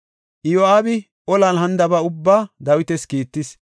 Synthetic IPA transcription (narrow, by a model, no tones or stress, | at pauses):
ʔɪjoaːbɪ | ʔɔlɐnɦɐnd̪ɐbɐʊbːaːd̪ɐwɪt̪ɛskiːt̪ːɪs